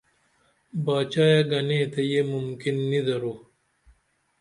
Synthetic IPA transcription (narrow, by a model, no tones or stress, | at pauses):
baːt͡ɕaːjaɡɐneːt̪ɐjemʊmkinːid̪ɐɾuː